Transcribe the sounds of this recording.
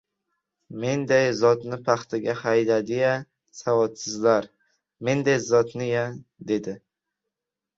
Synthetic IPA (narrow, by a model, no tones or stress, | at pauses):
me̞nd̪ajzɒt̪nɪpʰaχt̪ʰɪɡʲahajd̪ad̪ɪja | savɒt̪sɪzlaɾ | me̞nd̪ajzɒt̪nɪjad̪e̞d̪ɪ